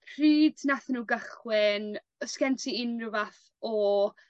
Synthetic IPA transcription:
pʰriːdnaθnuːɡəχwɪn | skɛntʰiɪnrɪvaθ | ɔ

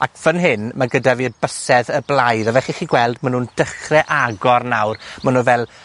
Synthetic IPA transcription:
a̰kʰv̥ənɦɪnmaɡədavirbəsɛðəblˠajðɔvɛχiχiɡwɛlˠdmanuːnd̥əχrɛʔaɡɔrnawrmanunvɛlˠ

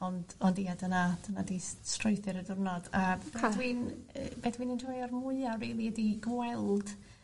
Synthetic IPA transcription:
ɔndɔndiːadənad̥ənadistrʊɨθɨɾədʊrnɔdab̥edwinəbedwinəndʰɔjɔrmʊɨariːlˠiədiɡwɛlˠd̥

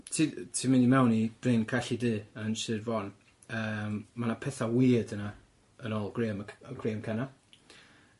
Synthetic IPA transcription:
tʰitʰimɪnimɛwnib̥reːnkʰaɬidɨːənʃɨdvɔn | əːmmːanapʰɛθawɪːdəna | ənɔːlˠɡreːmɡreːəmkʰɛna

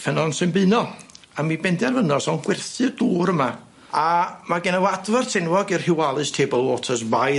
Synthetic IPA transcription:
fənɔnsɨnbɨɨnɔ | amibɛndɛrvənɔsɔnɡ̥wɛrθɨduːɾəma | amaɡɛnəwadvartʰɛnwɔɡirhɪwalˠɨstʰeːbɔlˠotʰɔs̬baj

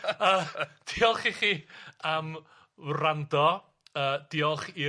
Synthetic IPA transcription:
əːd̥iɔlˠχiχiːam | randɔ | əːd̥iːɔlˠχi

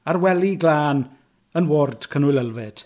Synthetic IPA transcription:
arwɛliɡlaːn | ənwoːrd̥kʰənwɪləlˠvɪd̥

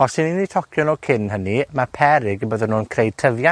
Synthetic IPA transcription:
ɔsɪninːitʰɔkʰjɔnɔkʰɪnɦənimapʰɛɾɪɡəbəðənuːnkʰrejd̚tʰəvja

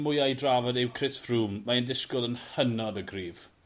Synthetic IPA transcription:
mʊjajdravɔdɛwkʰrɪsfruːmːaəndɪskʊlˠənhənɔdəɡriːv̥

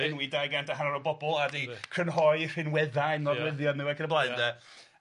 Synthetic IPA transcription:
ɪnwidajɡandaɦanɔɾɔbɔbɔlˠadikʰr̥ənɦɔɨr̥ɪnwɛðanɔwɪðjɔnɪwakʰənəblˠaɨnðə

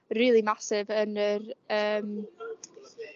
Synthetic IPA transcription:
riːlˠimasɪvənərəːm

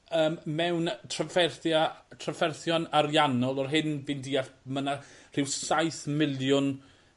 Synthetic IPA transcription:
əːmmɛwntʰrafɛrθjatʰrafɛrθjɔnaɾjanɔlˠɔrɦɪnvindiːamənar̥ɪwsajθmɪlˠjʊn

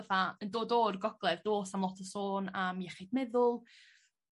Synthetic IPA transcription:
vaəndoːdoːrɡɔɡ̥lˠɛvdoːsamlˠɔtʰəsoːnamjɛχɪdmɛðʊlˠ

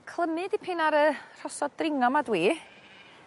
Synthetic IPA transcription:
kʰlˠəmɨdipʰɪnaɾər̥ɔsɔd̚drɪŋɔmadwiː

